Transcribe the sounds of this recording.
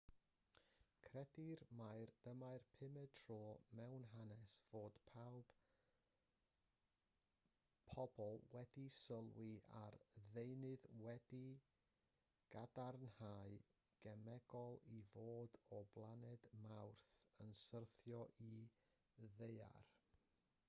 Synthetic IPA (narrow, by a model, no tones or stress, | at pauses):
kʰrɛdɪrmajrd̥əmajrpʰɪmɛtʰrɔːmɛwnɦanɛsv̥oːd̥pʰawb̥ | pʰɔbɔlˠwɛdisəlˠwia̰rðejnɨðwɛdi | ɡ̥adarnhaɨ | ɡ̥ɛmɛɡɔlˠivoːdɔblˠanɛdmawrθənsərθjɔʔi | ðeja̰r